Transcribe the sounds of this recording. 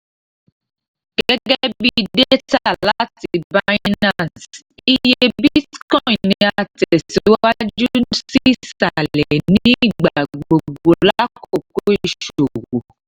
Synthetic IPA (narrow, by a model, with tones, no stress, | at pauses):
ɡ̥ɛ˦ɡɛ˦bi˧de˦ta˦˨la˦ti˧ba˧i˦na˦˨ns | i˧je˧bi˦tkɔ˦ĩ˨nĩ˧aa˧tɛ˨si˨˦wwa˦d͡ʒu˦si˦sa˨lɛ˨nĩ˦˨ɡ͡ba˨ɡ͡bo˨ɡ͡bo˨la˦ko˦˨k̚o˦ii˦˨ʃo˨wo˨